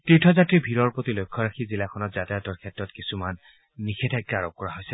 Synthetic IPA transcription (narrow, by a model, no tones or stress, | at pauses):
tɹitʰɔzatɹibʱiɹɔɹpɔtilojkʰːɔɹaxʰizilakʰɔnɔtzatajatɔɹkʰɛtɹɔtkisumanː | ixʰɛtʰakːaɹɔp̚kːɔɹaɦojsɛ